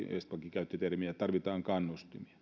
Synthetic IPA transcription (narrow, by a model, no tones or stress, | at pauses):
ḛst̪pɑkikæyt̪ːøt̪ermiæt̪ɑrʋit̪ɑːŋkɑnːust̪imiɑ̥